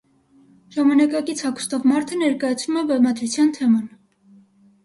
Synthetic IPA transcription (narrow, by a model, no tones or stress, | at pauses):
ʒ̥ɑmɑnɑkɑkit͡sʰhɑkʰu̥st̪ɔvmɑɾt̪ʰənɛɾkɑjɑt͡sʰnumɛbɛmɑd̪ɾut͡sʰjɑnt̪ʰɛmɑn